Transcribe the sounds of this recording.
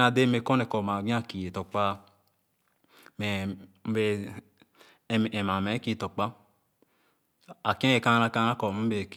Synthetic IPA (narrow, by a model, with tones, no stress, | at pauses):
a˧de˦me˧kɔ˦nɛ˨kɔ˨ma˨ɡĩ˦a˦˨ki˨e˨tɔ˨k͡pa˧ | mɛ˨ | m̩˦be˧˨ | ɛ˨ma˨mɛ˨˦ki˦˧˨tɔ˨k͡pa˧˦ | a˨kɛ̃˦e˨ka˧˦a˧ka˧na˦kɔ˨m̩˦be˧˨k